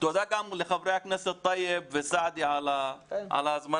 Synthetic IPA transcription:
t̪od̪aɡaʕmulɪxabɾɪjaknasit̪ˤːɑjːɪbfɪsaʕd̪iʕalaʕa̰lazma

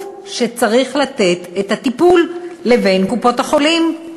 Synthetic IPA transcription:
ʃe̞t͡saʁiχlat̪e̞t̪etat̪ipulːeve̞jnkupo̞taχo̞lim

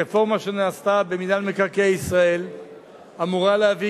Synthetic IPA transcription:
efo̞ʁmaʃe̞naːst̪abe̞midalmekaʁkejisʁae̞l | amuʁaleavi

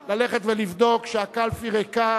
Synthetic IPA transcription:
laleχet̪velivd̪o̞kʃeakalfiʁeka

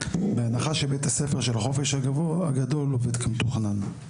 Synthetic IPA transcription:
beanaχaʃebet̪asefeʁʃelχo̞fe̞ʃhaɡavoaɡado̞loved̪kʰamt̪oχnan

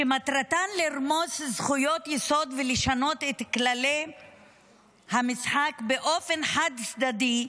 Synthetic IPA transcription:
ʃemat̪ɾat̪anliɾmo̞szχujo̞t̪jeso̞d̪veleʃano̞t̪et̪klale | hamisħakbeʔo̞fe̞nħad̪sd̪ad̪i

